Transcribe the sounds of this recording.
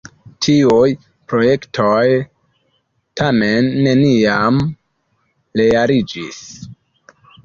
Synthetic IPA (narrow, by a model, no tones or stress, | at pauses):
tʰiuj | pɾo̞je̞ktʰoj | tʰame̞nːe̞niam | le̞jaɾid͡ʒḭs